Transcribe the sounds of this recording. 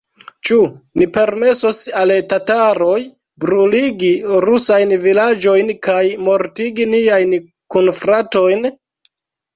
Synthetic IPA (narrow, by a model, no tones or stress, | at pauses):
t͡ʃunipe̞ɾme̞sosaltataɾo̞j | bɾuliɡiɾusajnvilad͡ʒo̞jnkajmo̞ɾtiɡiniajn | kunfɾato̞jn